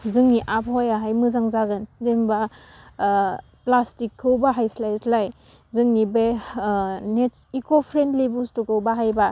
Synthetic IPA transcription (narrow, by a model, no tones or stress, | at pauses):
zɯŋniʔapʰhojaɦajmɯzaŋzaɡɯnzemba | plastikʰːɯwbaɦajslajslaj | zɯŋnibe | net | ikopʰɾentlebustukʰɯwbaɦajba